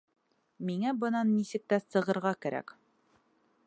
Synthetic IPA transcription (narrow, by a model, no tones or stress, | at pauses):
miŋæbɤ̆nɑnːisɘ̆k̚t̪æsɤ̆ʁɤ̆ɾʁɑkæɾæ̰k